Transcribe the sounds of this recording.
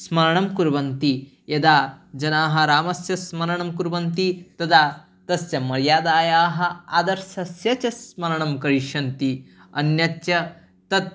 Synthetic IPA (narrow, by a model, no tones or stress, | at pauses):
smɐɾɐɳɐmkuɾʋɐnt̪i | jɐd̪aːd͡ʒɐnaːɦɐ̆ɾaːmɐsjɐsmɐɾɐɳɐmkuɾʋɐnt̪it̪ɐd̪aː | t̪ɐsjɐmɐɾjaːd̪aːjaːɦɐ̆ad̪ɐɾsɐsjɐt͡ʃɐsmɐɾɐɳɐmkɐɾiʃɐnt̪i | ɐnjɐt̪jɐ | t̪ɐt̪̚